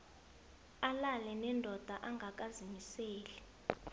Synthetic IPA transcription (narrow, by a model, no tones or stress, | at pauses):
alalɛnɛndʱɔd̥ʱaʔaŋɡʱak̬ʼazimiseːlɛ